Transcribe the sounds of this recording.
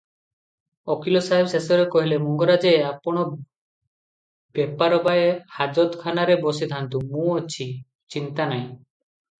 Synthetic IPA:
ɔkilɔsaɦebɔsesɔɾekɔɦilemɔŋɡɔɾad͡ʒeapɔɽ̃ɔ | bepaɾɔbaehad͡ʒɔt̪kʰanaɾebɔsid̪ʱant̪umũɔt͡ʃʰi | t͡ʃint̪anaj̃

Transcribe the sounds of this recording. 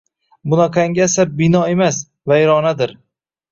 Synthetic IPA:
bʊnaqʰaŋɡʲasaɾbɪnɒe̞mas | vajɾɒnad̪ɪɾ

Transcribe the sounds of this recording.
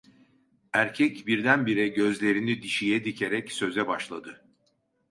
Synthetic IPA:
æɾcʰɛcbiɾd̪ænbiɾɛɟø̞zlʲe̞ɾinid̪iʃijɛd̪icʰeɾɛcsø̞zɛbaʃlˠad̪ɯ

